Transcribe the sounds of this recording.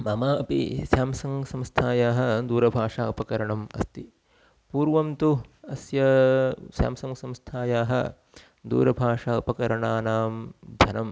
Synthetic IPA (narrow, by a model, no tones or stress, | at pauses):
mɐmaːɐpḭsjaːmsɐŋsɐ̃mst̪ʰaːjaːɦɐ̆d̪uːɾɐbʱaːʂaːɐpɐkɐɾɐɳɐmɐ̰st̪i | puːɾʋɐmt̪uɐsjɐsja̰ːmsɐŋsɐ̃mst̪ʰaːjaːɦɐ̰ | d̪ṵːɾɐbʱaːʂaːɐpɐkɐɾɐɳaːnaːmd̪ʱɐnɐm